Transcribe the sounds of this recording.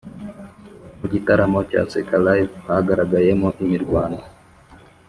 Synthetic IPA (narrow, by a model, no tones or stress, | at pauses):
ud͡ʒit̪aɾamɔt͡ʃa̰sɛkalaifhaɡaɾaɡajɛmɔʔimiɾɡwana